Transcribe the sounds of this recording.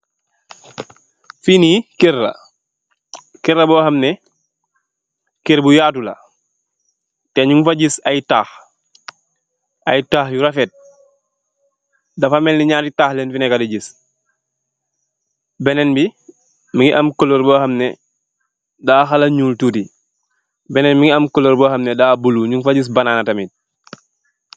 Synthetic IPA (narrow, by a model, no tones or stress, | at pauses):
finikirːɐ̰ | kɛɾːɐbɔːxɐmnɛ | kiɾbujaːtulɐ̰ | tɛɲuŋfaɟisɐjtaːx | ɐjtaːxjuɾɐfɛt̚ | dɐfamɛnlliɲaːtitaːhlɛnfinɛkadiɟis | bɛnɛnbi | miŋiʔɐmkoloɾbəːxɐmnɛ | daːxɐlɐɲuːltuti | bɛnɛnmiŋiɐmkɔloɾbəːxɐmnɛdaːbuluɲuŋfaɟis̬bɐnaːnatɐmit̚